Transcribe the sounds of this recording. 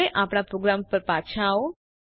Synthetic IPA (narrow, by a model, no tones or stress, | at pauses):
eʔapɽ̃apɾoɡɾampəɾpat͡ʃʰao